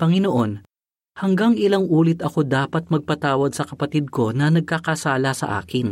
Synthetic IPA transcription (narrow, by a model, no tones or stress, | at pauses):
pɐŋɪnoʔo̞n | hɐŋɡaŋɪlaŋʔuːlɪt̪ɐko̞d̪aːpɐt̪̚mɐɡ̚pɐt̪aːwɐd̪sɐkɐpɐt̪id̪̚ko̞nɐnɐɡ̚kakɐsaːlɐsɐ̰ʔa̰ːkɪn